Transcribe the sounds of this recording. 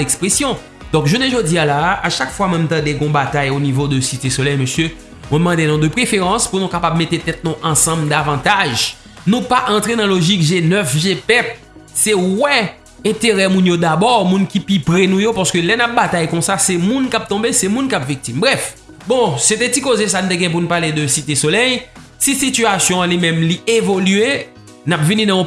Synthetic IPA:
ɛkspʁesjɔ̃ | d̪̥ɔ̃kʒuneʒodialaaʃakfwamɛmt̪ãd̪eɡɔ̃bat̪ajonivod̪øsit̪esolɛjməsjø | mwɛ̃mɑ̃d̪enɔ̃d̪əpʁefeʁɑ̃spunũkapabmet̪et̪ɛt̪̚nɔ̃ʔɑ̃sɑ̃bld̪avɑ̃t̪aʒ | nũpaʔɑ̃t̪ʁenɑ̃loʒikʒenœfʒepɛt̪̚ | sɛwɛ̃ | ɛ̃t̪eʁɛmũnjod̪abɔʁmũnkipipʁenũjopaʁsə̥kølɛnap̚bat̪ajkɔ̃sasɛmũnkap̚t̪ɔ̃besɛmũnkapvik̚t̪imbʁɛf | bɔ̃set̪ɛ̃tikozes̬anũt̪eɡɛ̃jɛ̃p̬unũpaʁled̪øsit̪esolɛj | sisit̪yasjɔ̃limɛ̃mlievolye | napvinĩnãɔ̃

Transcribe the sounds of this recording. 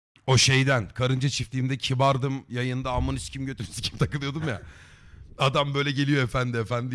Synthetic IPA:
o̞ʃe̞jd̪ænkʰaɾɯnd͡ʒat͡ʃʰift̪ʲiːmd̪ɛcʰibaɾd̪ɯmjajɯnd̪aːlˠmanɯscʰimɟø̞t̪ʰyɾsi̥cʰi̥mt̪ʰakɯlˠɯjo̞d̪umja̰ | ad̪ambø̞jlʲɛɟe̞lʲijo̞efænd̪ɪefænd̪i

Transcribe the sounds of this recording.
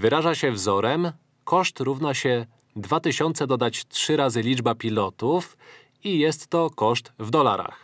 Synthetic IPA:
vɘɾaʐaɕɛvzɔɾɛm | kɔʂt̪ɾuvnaɕɛ | d̪vat̪ɘɕɔnt̪sɛd̪ɔd̪at͡ɕtʂɘɾazɘlʲid͡ʐbapʲilɔt̪uf | ijɛst̪ːɔkɔʂt̪vd̪ɔlaɾa̰x

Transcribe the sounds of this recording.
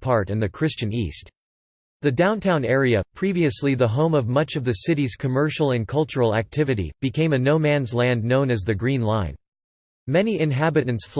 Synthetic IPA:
pʰɑɹɾɨ̃nðɨkʰɹ̥ɪst͡ʃɨ̃nḭst | ðɨdãʊ̃ntʰãʊ̃nɛɹiɨpʰɹ̥iviɨsliðəɦõʊ̃mʌvmʌt͡ʃʌvðɨsɪɾiz̥kʰɨmɜ˞ʃl̩ˠɨ̃nkʰʌlˠt͡ʃə˞l̩ˠæ̰k̚tʰɪvɨɾḭb̥ɨkʰẽɪ̃mɨnoʊmæ̃nzlæ̃nnõʊ̃nɨzðɨɡɹĩnlãɪ̃n | mɛniɨ̃nɦæbɨɾ̃n̩tsf

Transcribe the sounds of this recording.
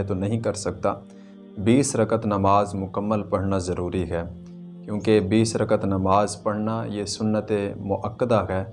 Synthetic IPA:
t̪onɐɦĩkɐɾsɐk̚t̪a̰ː | biːsɾəkət̪nəmaːzmʊkəmːəlpɐɽ̤nazəɾuːɾiɦɛː | kjõːkebiːsɾəkət̪nɐmaːzpɐɽ̤najesʊnːət̪emʊʔəkːəd̪aɦɛː

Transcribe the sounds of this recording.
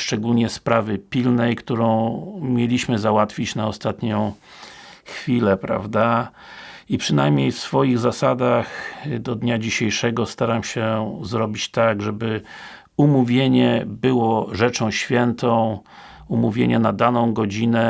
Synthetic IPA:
ʂt͡ʂɛɡulɲɛspɾavɘpʲilnɛjkt̪uɾɔ̃w̃mʲjelʲiɕmɘzawat̪fʲit͡ɕnaɔst̪at̪ɲɔ̃w̃ | xfʲilɛpɾa̰vd̪a | ipʂɘnajmɲejfsfɔjiɣzasad̪axd̪ɔd̪ɲad͡ʑiɕejʂɛɡɔst̪aɾamɕɛzɾɔbʲit͡ɕt̪aɡʐɛbɘ | umuvʲjeɲɛbɘwɔʐɛt͡ʂɔ̃w̃ɕfʲjɛnt̪ɔ̃w̃ | umuvʲjḛɲɛnad̪anɔ̃w̃ɡɔd͡ʑinɛ

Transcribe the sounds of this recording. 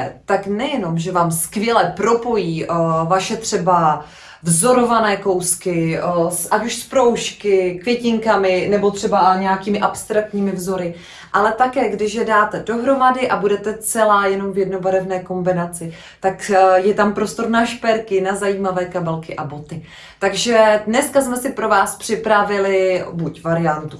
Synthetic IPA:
t̪aknɛjɛno̞mʒɛvaːmskvjɛlɛpɾo̞po̞jiːvaʃɛt̪r̝̥ɛba | vzo̞ɾo̞vanɛːko̞wskɪsʔacuʃspɾo̞wʃkɪkvjɛcɪŋkamɪnɛbot̪r̝̥ɛbaɲɛjakiːmɪʔapst̪ɾak̚t̪ɲiːmɪvzo̞ɾɪ | ʔalɛt̪akɛːɡdɪʃjɛdaːt̪ɛdo̞ɦɾo̞madɪʔabudɛt̪ɛt͡sɛlaːjɛno̞mvjɛdnobaɾɛvnɛːko̞mbɪnat͡sɪ | t̪akjɛt̪ampɾo̞st̪o̞ɾnaʃpɛɾkɪnazajiːmavɛːkabɛlkɪʔabo̞t̪ɪ | t̪aɡʒɛdnɛskasmɛsɪpɾo̞vaːspr̝̥ɪpɾavɪlɪbucvaɾɪant̪u

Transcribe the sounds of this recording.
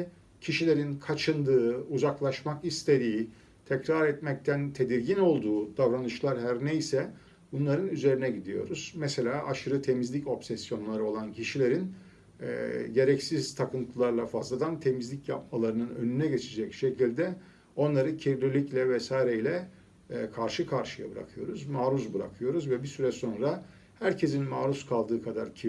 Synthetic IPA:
cʰiʃilʲe̞ɾinkʰat͡ʃʰɯnd̪ɯːuzaklˠaʃmakist̪ʰe̞ɾiː | t̪ʰɛcɾaɾɛt̪mɛc̚t̪ʰænt̪ʰe̞d̪iɾɟino̞lˠd̪uːd̪avɾanɯʃlˠaɾɦæɾnejsɛ | bunlˠaɾɯnyze̞ɾinɛɟid̪ijo̞̰ɾuz̥mɛse̞lʲaːʔaʃɯɾɯt̪ʰe̞mizlʲico̞psɛsjo̞nlˠaɾɯo̞lˠancʰiʃilʲe̞ɾin̰ | ɟe̞ɾɛcsiz̥t̪ʰakɯnt̪ʰɯlˠaɾlˠafazlˠad̪ant̪ʰe̞mizlʲicja̰p̚malˠaɾɯnɯnø̞̰nynɛɟe̞t͡ʃʰed͡ʒɛcʃe̞cʰilʲd̪ɛ | o̞nlˠaɾɯcʰiɾlilʲiclʲɛvɛsaːjɾeilʲɛ | kʰaɾʃɯkʰaɾʃɯja̰bɯɾa̰kʰɯjo̞ɾuzmaːɾuzbɯɾa̰kʰɯjo̞ɾuzvɛbisyɾɛso̞nɾa | hæɾcʰe̞zinmaːɾuskʰalˠd̪ɯːkʰad̪aɾcʰi

